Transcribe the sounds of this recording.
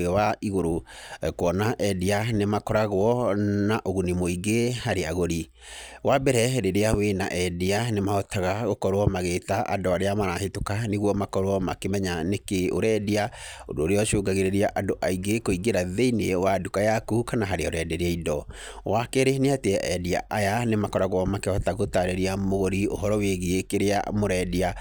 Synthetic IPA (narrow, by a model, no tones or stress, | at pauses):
ewaiɣoɾokwɔnaʔɛdianemakɔɾaɣwɔnaʔoɣunimoiɡehaɾeaɣoɾi | wabɛɾɛɾeɾeawena̰ʔɛdianemaɔtʰaɣaɣokɔɾwɔmaɣetaʔa̰doaɾeamaɾahetokaneɣwɔmakɔɾwɔmakemɛɲanekeo̰ɾɛdiao̰doːɾeɔʃoːɡaɣeɾeɾiaʔadoʔaiɡekoiɡeɾaðeinewadukajakukanaɦaɾeaoɾɛdeɾeaidɔ | wakeɾeneateɛʔɛdia̰ʔajanemakɔɾaɣwɔmakeɔtaɣotaɾeɾiamoɣoɾio̰ɦɔɾɔweɣiekeɾea̰moɾɛdia